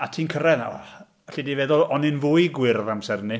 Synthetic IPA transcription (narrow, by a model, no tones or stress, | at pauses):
atʰiːnkʰəɾɛða̰w | ɬidiveðʊlˠɔnɪnvʊːjɡwɪrvamsɛrni